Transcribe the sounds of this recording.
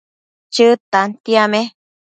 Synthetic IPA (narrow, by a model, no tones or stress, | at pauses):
t͡ʃɨt̪ant̪iamẽ